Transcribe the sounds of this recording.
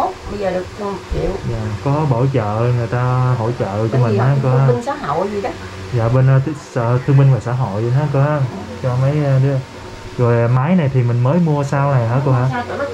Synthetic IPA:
o˦˥ə˧zəː˨˩ɗɨ˨˩k̚ɗki˧˩˨əwzaː˨kɔ˨˦ɓo̰˧˩t͡ɕə̰ː˧˨ŋɨ˨˩əjt̪aː˧ɦo̰˧˨jt͡ɕə̰ː˧˨t͡ɕɔ˧mï˨˩ŋ̟haː˨˧˥ko˧aː˧ŋsaː˨˦a̰˧˨˧zi˨˩a˨˦ | za̰ː˨˩ɓe˧n˧sːt̪ʰɨ˧əŋmi˧ŋ̟vaː˨˩saː˧˥ɦo̰˧˨jɦaː˨˦˥ko˧ʔa˧m | t͡ɕɔ˧mə˨˦jɗɨ˨˦˨ | zo˨˩jmaː˨˦jna˨˩jt̪ʰi˨˩mï˨˩ŋ̟məː˨˦jmu˧əsaː˧wna˨˩jɦaː˨˦˥ko˧haː˧˥˧

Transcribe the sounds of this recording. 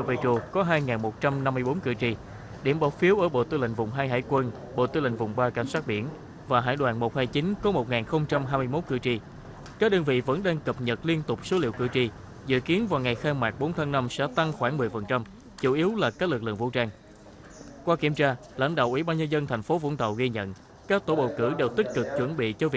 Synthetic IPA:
və˧˩t͡ɕo˧˩kɔ˨˦ɦaː˧jŋaː˨˩nmo˨˩t̚t͡ɕa˧mna˧mːɨ˧əjɓo˨˦nkɨ˧˩t͡ɕi˧ | ɗi˧˩mɓɔ˧˦wfi˨˦əwʔəː˧˩ɓo̰˧˨t̪ɨ˧lḭ˧˨ŋ̟vʊ˨˩wŋ͡mɦaː˧jɦa̰ː˧˨jkwə˧n | ɓo̰˧˨t̪ɨ˧lï˧˨ŋ̟vʊ˨˩ŋ͡mɓaː˧ka˧˩jŋ̟swaː˦˥t̚ɓi˧˩ən | vaː˨˩ɦaː˧˩jɗwa̰ː˧˨˩nmo˨˩t̚haː˧jt͡ɕi˨˦nkɔ˨˦mo˨˩t̚ŋaː˨˩nxə˧wŋ͡mt͡ɕa˧mɦaː˧jmɨ˧əjmo˦˥t̚kɨ̰˧˩t͡ɕi˧ | kaː˦˥ɗəː˧nvḭ˧˨və̰˧˥nɗaː˧ŋkə˨˩p̚ɲə˨˩t̚li˧ənt̪ʊ˨˩k͡p̚so˨˦lḭ˧˨əwkɨ̰˧˩t͡ɕi˧˩ | zɨ̰˧˨ki˨˦ənvaː˨˩wŋa˨˩jxaː˧maː˨˩k̚ɓo˨˦nt̪ʰaː˧ŋna˧msɛ̰˧˥t̪a˧ŋxwaː˧˩nmɨ˨˩əjfə˨˩nt͡ɕa˧m | t͡ɕu˧˦ʔi˨˦wlaː˨˩ka˦˥k̚lɨ˨˩k̚lɨ̰˧˨əŋvṵ˧˥t͡ɕaː˧ŋ | kwaː˧ki˧˩əmt͡ɕaː˧ | la̰˧˥ŋ̟ɗa̰ː˧˨wʔḭ˧˩ɓaː˧nɲə˧nzə˧nt̪ʰɛ˨˩jŋ̟fo˨˦vṵ˧˥nt̪ə̰˧˨wɣi˧ɲə̰˧˨n | kaː˦˥k̚t̪o˧˩ɓə̰˧˨wkɨ˧˩ɗe˨˩wt̪ï˦˥k̚kɨ˨˩k̚t͡ɕwə˧˩nɓḭ˧˨t͡ɕɔ˧vi˨˩

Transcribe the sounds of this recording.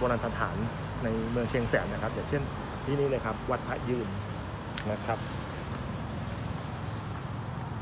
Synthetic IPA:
boː˧laː˧nt̪ʰa˧˩˦t̪ʰaː˩˦nː | a˧jmɯ˧əŋt͡ɕʰi˧ŋsɛː˩˦na˦˥kʰa˦˥p̚jaː˨˩ŋt͡ɕʰe˥˩n | t̪ʰiː˥˩niː˦˥lɤː˧jkʰa˦˥p̚wa˦˥t̪̚pʰa˦˥jɯː˧˩n | na˦˥kʰɾa˦˥p̚

